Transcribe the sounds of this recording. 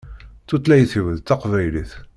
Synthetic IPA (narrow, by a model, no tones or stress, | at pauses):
θut̪ˤlæjəθəvəðt̪ːɑqvæjliθ